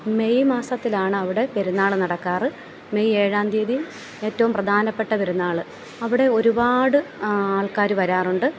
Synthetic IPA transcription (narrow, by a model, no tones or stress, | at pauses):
me̞jmaːsɐt̪ːilaːɳɨɐʋiɽe̞peɾunːaːɭɨnɐɽɐkːaːrɨ | me̞jeːɻaːnd̪iːðijum | eːtːɐʋumprɐd̪ʱaːnɐpːe̞ʈːɐpɐɾunːaːɭɨ | ɐʋiɽe̞o̞ɾubaːɽɨaːɭkaːɾuʋɐɾaːruɳɖɨ